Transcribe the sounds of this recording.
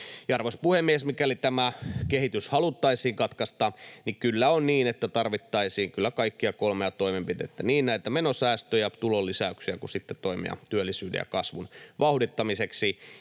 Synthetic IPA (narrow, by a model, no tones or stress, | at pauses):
jɑrʋospuhemːiesmikælit̪æmækehit̪yshɑlut̪ːɑisiːŋkɑt̪kɑst̪ɑːnikylːæonniːnet̪ːæt̪ɑrʋit̪ːɑisiːŋkylːækɑikːiɑkolmeɑt̪oimempit̪ḛt̪ːæniːnnæit̪æmenosæːst̪øjæt̪ulolːisæyksiækusit̪ːet̪oimḛɑ̰t̪yølːisyːdḛjɑ̰kɑsʋunʋɑhudit̪ːɑmiseksi